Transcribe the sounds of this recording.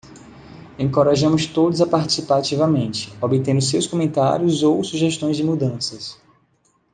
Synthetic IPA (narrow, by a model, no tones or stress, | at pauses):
ẽŋkoɾaʒɐ̃mʊst̪od̪ʊzapaɾt͡ʃi̥sipaat͡ʃivɐmẽnt͡ʃɪ̥obɪt̪ẽnd̪ʊs̬ewskõmẽnt̪a̰ɾjʊzowsuʒɛʃt̪õj̃zd͡ʒɪmud̪ɐ̃sɐs